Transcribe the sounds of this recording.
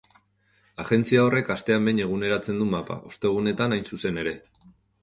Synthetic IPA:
aɣe̞nt͡siao̞re̞kast̪e̞ambe̞jɲe̞ɣ̞une̞ɾat͡se̞nd̪umapa̰ʔo̞st̪e̞ɣ̞une̞t̪anajnsuse̞ne̞ɾe̞

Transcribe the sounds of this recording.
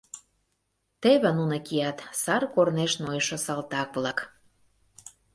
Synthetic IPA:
t̪eβə̆nunə̆kiɑt̪sɑrkorneʃnojʃŏsɑlt̪ɑkβlɑk

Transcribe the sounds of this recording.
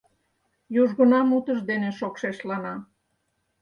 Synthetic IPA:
juʒɣə̆nɑmut̪əʃd̪eneʃokʃeʃlɑnɑ

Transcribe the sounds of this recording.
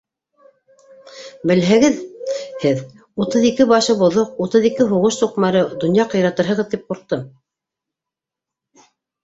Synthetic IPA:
bɘ̆lɦæɡɘðhɘð | ut̪ɤðikɘbɑʃɤbŏðoq̚ut̪ɤðikɘɦuʁɤʃsuqmɑɾɤd̪ŏnjɑqɤ̆jɾɑt̪ɤɾɦɤ̆ʁɤ̆ðt̪ip̚qŭɾqt̪ːɤ

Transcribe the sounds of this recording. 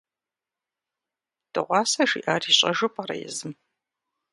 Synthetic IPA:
d̥ɨ̰ʁʷɑːsɐʂḭːʔaːriːɕʼɐʒɨpʰʼaɾɐ̰jɛ̰zɨm

